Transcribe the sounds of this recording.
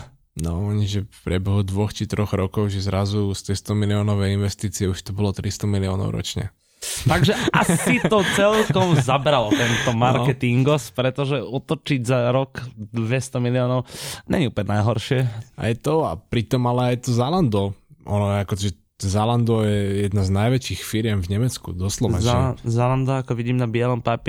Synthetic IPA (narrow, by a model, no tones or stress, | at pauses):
nɔ̰ɔɲiʒɛfpɾɪɛbɛɦud̪ʋɔxt͡ʃit̪ɾʔɔɣɾɔkɔʊʒɛzɾazust̪ɛst̪ɔmiliɔːnɔʋɛinʋɛst̪iːt͡siɛuʃt̪ɔbɔlɔt̪ɾist̪ɔmiliɔːnɔ̰ʊɾɔ̰t͡ʃɲɛ̰ | taɡʒɛʔasit̪ɔt͡sɛlkkɔmzabɾalt̪ɛnt̪ɔmaɾkɛt̪iŋɡɔspɾɛt̪ɔʒɛɔt̪ɔt͡ʃiɟzaɾɔkd̪ʋɛst̪ɔmiliɔːnɔʊɲɛ̰ɲiupɲɛnajɦɔɾʃɪɛa̰jt̪ɔa̰pɾit̪ɔmalɛajt̪ɔzaland̪ɔʔɔnɔjɛakɔiʒɛzaland̪ɔjɛjɛd̪naznajʋɛt͡ʃixfiɾɪɛmvɲɛmɛt͡skṵd̪ɔslɔʋɛzazaland̪ɔakɔʋiɟiːmnabɪɛlɔmpap